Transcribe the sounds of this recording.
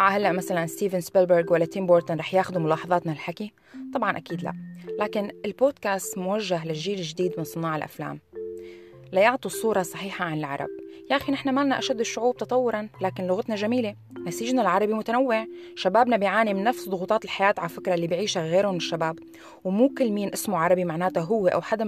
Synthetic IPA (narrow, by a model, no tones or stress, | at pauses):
ʔaʕahalːaʔmasalanst̪iːvɪnsbɪlbəɾɡwalːat̪ɪmboːɾt̪ʊnɾˤɑːħjaːxʊd̪umʊlɑːħɑðˤɑːt̪nalħaki | t̪ˤɑbʕɑnʔakiːd̪la̰ʔlaːkɪnɪlboːd̪̚kaːst̪mʊwaʒːaɦlaʒʒːiːlɪʒd̪iːd̪mɪnsˤɨnɑːʕɪlʔa̰fla̰ːm | lajʊʕt̪ˤisˤuːɾˤɑsˤɑħiːħaʕanɪlʕɑ̰ɾˤɑ̰b̚jaʔxinɪħnamaːlnaʔaʃad̪ːɪʃːʊʕuːb̚t̪ɑt̪ˤɑwːʊɾˤɑnlaːkɪnlʊɣat̪naʒamiːle | nasiːʒnalʕɑɾˤɑbimʊt̪anawːɪʕʃabaːbnabɪjʕaːnimɪnːafsd̪ˤʊɣuːt̪ˤɑːt̪ɪlħajaːt̪ʕalfɪkɾˤɑalːiːbiʕiːʃaɣeːɾʊmnɪʃːabaːb | wmuːkɪlːmiːnʔɪsmuʕɑɾˤɑbimaʕnaːt̪aɦʊwːeʔa̰wħad̪a